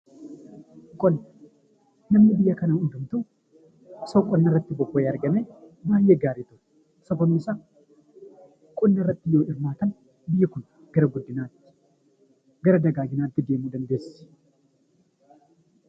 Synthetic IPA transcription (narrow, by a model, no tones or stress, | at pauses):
kʼɔnː | nɐmnɪbɪjːɐkɐnaʊnd̪ʊmt̪u | sokʼːɔnːɐrːɐt̪ːɪbɔkːojaɾɡɐnebaːjːeɡaːɾɪt̪ʊ | sɐbɐmːɪsa | kʼʊnːɐrːɐt̪ːɪjoːɪɾmaːt̪ɐn | bɪjːɛkʊn | ɡ̥ɐɾɐɡʊd̪ːɪnaːt̪ːɪ̥ | ɡɐɾɐd̪ɐɡaːɡɪnaːt̪ːɪd̪e̞ːmud̪ɐnd̪e̞ːss